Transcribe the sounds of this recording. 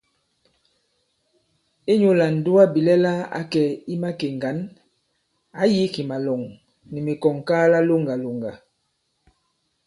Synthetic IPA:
e˦ɲo˦la˨n̩˨du˦a˦bi˨lɛ˦la˦a̰˦kɛ˨i˦ma˦ke˨ŋɡa˨˦n | a˨˦ji˦ki˨ma˨lɔ˨ŋ | ni˨me˨kɔ˨ŋkaː˦la˦lo˦ŋɡa˨lo˨ŋɡa˨

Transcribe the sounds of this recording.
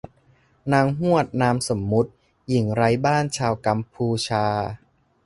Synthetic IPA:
naː˧ŋɦu˥˩ət̪̚naː˧mso˩˦mːu˦˥t̪̚ | ji˨˩˦ŋɾa˧jbaː˥˩nt͡ɕʰaː˧wka˧mpʰuː˧t͡ɕʰaː˧

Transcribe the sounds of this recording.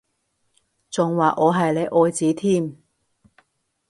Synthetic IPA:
t͡sʊ˨ŋwaː˨ʔɔː˨˧ɦɐ˨jle˨˧jʔɔː˨˧jt͡siː˨˥t̪ʰiː˥˩m

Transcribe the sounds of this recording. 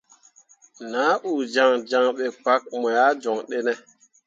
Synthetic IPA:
naː˨˦ʔu˨d͡ʒa˨ŋd͡ʒa˨ŋɓe˨k͡pa˦k̚mɔ˨ja˦d͡ʒɔ˨ŋɗe˦ne˦

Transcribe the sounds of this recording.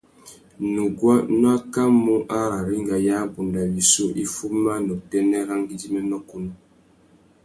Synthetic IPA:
nu˨ɡwa˦nɔ˦a˦ka˦mu˦ʔa˦ɾa˨ɾi˦ŋɡa˨ja˦bu˨nda˨bi˨so˦ʔi˦fu˦ma˦nɔ˨dɛ˦nɛ˦ɾa˦ŋɡi˦di˦mɛ˦nɔ˦ku˦nu˦

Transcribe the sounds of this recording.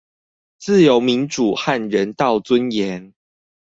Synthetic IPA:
t͡sɹ̩˥˨jo˨˦ʊmi˨˦nʈ͡ʂu˨˩xa˥˨nɻə˨˦nt̪ɑ˥˨ʊt͡swə˦njɛ˨˦n

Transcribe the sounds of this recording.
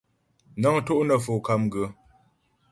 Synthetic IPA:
na˦ŋto˦ʔnə˨fo˨ka˦mɡə˨˦

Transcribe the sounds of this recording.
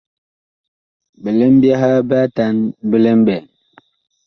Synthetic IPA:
bə˨le˦m˦bja˦ɦa˦ba˦ta˨˦nbə˦le˦m˦bɛ˨

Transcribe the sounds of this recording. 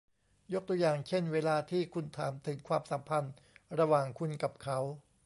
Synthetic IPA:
jo˦˥k̚t̪u˧ɐ˧jaː˨˩ŋt͡ɕʰe˥˩nweː˧laː˧t̪ʰiː˥˩kʰu˧nt̪ʰaː˩˦mt̪ʰɯ˩˦ŋkʰwaː˧msa˩˦mpʰa˧n | ɾa˧waː˨˩ŋkʰu˧nka˨˩p̚kʰa˦˥w

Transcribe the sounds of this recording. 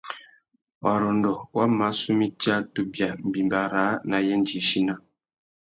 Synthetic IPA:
wa˨ɾɔ˨ndɔ˨wa˦ma˨˦su˦mi˦ta˦tu˦bja˨m̩˨bi˨mba˨ɾa˨˦na˨jɛ˦n˦d͡ʒi˨˦ʃi˦na˦

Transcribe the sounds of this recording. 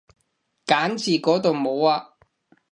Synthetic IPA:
kaː˨˥nt͡sʰiː˨˩kɔː˨˥t̪o˨wmo˨˧waː˧

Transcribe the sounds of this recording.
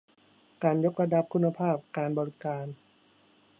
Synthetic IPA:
kaː˧njo˦˥k̚ɾa˧da˧˥p̚kʰu˧nːa˧pʰaː˥˩p̚kaː˧nbɔ˧ɾi˦kaː˧n

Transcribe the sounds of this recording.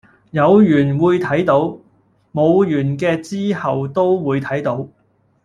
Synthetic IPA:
jɐ˨˧wjyː˨˩nwuː˨˧jt̪ʰɐ˨˥jt̪o˨˥w | mo˨˧wjyː˨˩nkɛː˧t͡siː˥hɐ˨wt̪o˥wwuː˨˧jt̪ʰɐ˨˥jt̪o˨˥w

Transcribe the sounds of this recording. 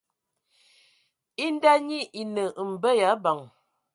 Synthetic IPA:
i˦n˦da˦ɲi˦ʔi˨nə˨ʔm̩˨bə˦ja˨˦ba˨ŋ

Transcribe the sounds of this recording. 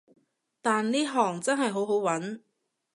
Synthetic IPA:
t̪aː˨nliː˥ɦɔː˨˩ŋt͡sɐ˥nɦɐ˨jɦo˨˥wɦo˨˥wwɐ˨˥n

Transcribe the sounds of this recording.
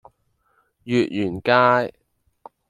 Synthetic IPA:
jyː˨t̚jyː˨˩nkaː˥j

